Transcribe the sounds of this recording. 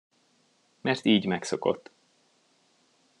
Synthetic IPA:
mɛrt̪iːɟmɛksoko̰t̪ː

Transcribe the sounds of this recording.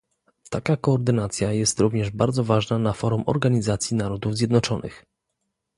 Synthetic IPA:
t̪akakɔːɾd̪ɘnat̪sʲjajɛst̪ɾuvɲɛʐbaɾd̪zɔvaʐnanafɔɾumʔɔ̰ɾɡaɲizat̪sʲjinaɾɔd̪uvzʲjɛd̪nɔt͡ʂɔnɘ̰x

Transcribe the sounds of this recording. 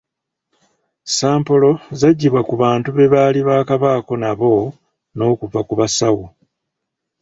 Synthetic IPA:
saːmpo̞lo̞zaɟːiβwakuβaːntuβe̞βaːliβaːkaβaːko̞naβo̞ | no̞ːkuvakuβasawu

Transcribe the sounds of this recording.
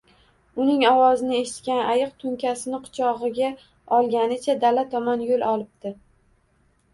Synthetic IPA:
ʊnɪŋɒwɒzɪnɪe̞ʃɪt̪kʲanajɨq̚t̪ʰʊŋkʲasɪnɪqʰʊ̥t͡ʃʰɒʁɨɡʲa | ɒlˠɡʲanɪt͡ʃʰad̪alat̪ʰɒmanjolˠɒlˠɪb̚d̪̥ɪ

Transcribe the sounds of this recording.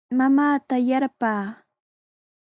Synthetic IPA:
mamaːt̪ajaɾpaː

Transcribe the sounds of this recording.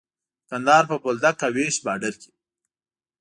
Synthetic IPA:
kand̪ɑːɾpəpold̪akːaweʃbɑɖəlki̥

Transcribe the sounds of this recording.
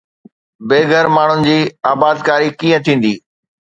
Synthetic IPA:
beːɡʱəɾmaːɳ̤ʊnɪ̆d͡ʑiːaːbaːd̪kaːɾikiːə̃t̪ʰĩːn̆d̪iː

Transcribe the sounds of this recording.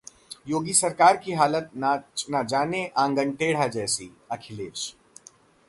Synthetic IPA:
joːɡisɐɾkaːɾkiɦaːlət̪nat͡ʃnad͡ʒaːneʔãːŋɡəɳʈeːɽ̤ad͡ʒɛːsḭ | ɐkʰɪleːʃ

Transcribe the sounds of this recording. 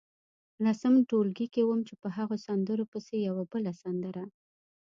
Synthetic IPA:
lɑsəmʈolɡikewəmt͡ʃepəɦaɣosand̪əɾopəsejawabəlasand̪əɾa

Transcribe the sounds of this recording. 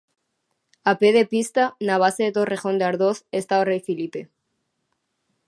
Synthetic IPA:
apeð̞epist̪anaβ̞aseðet̪orexo̞nd̪eaɾðoθest̪aorejfilipe

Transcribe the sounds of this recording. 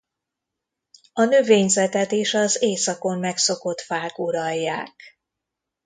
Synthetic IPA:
ɒnø̞veːɲzɛt̪ɛt̪eːʃɒzeːsɒko̞mːɛkso̞ko̞t̪faːɡuɾɒjːaːk

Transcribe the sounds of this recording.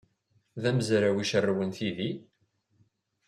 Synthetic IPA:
ðæməzɾawiʃərːwənθiði

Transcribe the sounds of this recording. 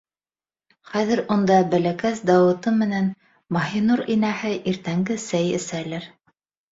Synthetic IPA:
χæðɘ̆ɾund̪ɑbælækæsd̪ɑwɤ̆t̪ɤmɘ̆næn | mɑɦinuɾinæhɘʔiɾt̪æŋɡɘsæjɘ̰̆sælɘɾ

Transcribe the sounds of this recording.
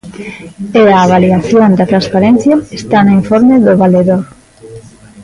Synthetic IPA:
eaːβaliaθjond̪at̪ɾanspaɾenθjaest̪anoiɱfoɾmeðoβaleðoɾ

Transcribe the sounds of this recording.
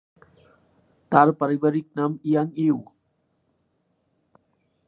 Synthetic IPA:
t̪aɾpɐɾibɐɾik̚nɐmijaŋew

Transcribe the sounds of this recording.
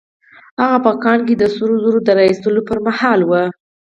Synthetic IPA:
haɣapəkɑnked̪əsuɾozoɾod̪əɾɑjist̪əlopəɾmahɑlwə

